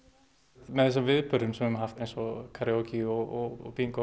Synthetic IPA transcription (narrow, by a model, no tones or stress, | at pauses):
mɛðθɛs̬ːavɪðpʏɾðʏmsɛmɛmɦaft̪ejnsɔkʰaɾjɔciɔɔɔ̰piŋkɔ